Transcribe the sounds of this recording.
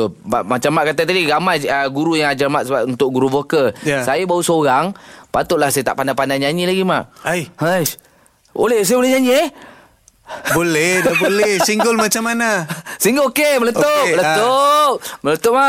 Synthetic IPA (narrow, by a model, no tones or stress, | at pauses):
tomaʔmat͡ʃamːaʔkat̪at̪adiɡamajəɡuɾujaŋad͡ʒamaʔ̪səbaunt̪ʊk̚ɡuɾuvokəasajabausoɾaŋpat̪ʊʔlahsajat̪a̰ʔpandapandaɲaɲilaɡima̰ʔajhə | o̰lehs̬ajabolehɲaɲĩe | bolɛdabolɛhsiŋɡʊlmat͡ʃamːanasiŋɡʊlokemələt̪olət̪oʔmələt̪oʔma